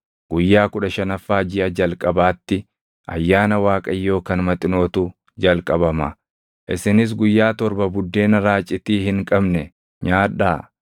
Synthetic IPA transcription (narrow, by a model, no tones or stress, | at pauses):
ɡ̥ʊjːaːkʊᶑɐʃɐnɐfːaːd͡ʒɪʔɐd͡ʒɐlkʼɐbaːt̪ːɪ | ʔɐ̰jːaːnɐwaːkʼɐjːo̞ːkɐnmɐt̪ʼɪno̞ːt̪ʊ | d͡ʒɐlkʼɐbɐmɐ̰ | ʔɪ̰sɪnɪs̬ɡʊjːaːt̪ɔɾbɐbʊd̪ːe̞ːnɐɾaːt͡ʃʼːɪt̪iːhɪŋkʼɐbnɛ | ɲaːᶑaː